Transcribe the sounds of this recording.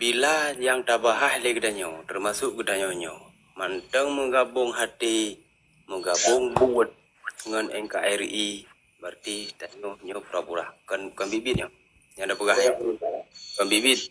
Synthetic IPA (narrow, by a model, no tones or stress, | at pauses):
bilajaŋt̪abaɦahlekədaɲowt̪ərmasʊʔɡədaɲohɲo̰w | mant̪əŋməɡabʊŋɦat̪e | məɡabʊŋbuət̪̚ | ŋənɛŋkaʔɛri | bərt̪it̪aɲohɲəpəɾapuɾahkənkənbibit̪̚ɲo | ɲaŋdapəɡaaikənbibit̪̚